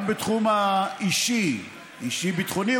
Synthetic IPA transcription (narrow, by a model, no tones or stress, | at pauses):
bet̪χumaiʃi | iʃibit̪χoni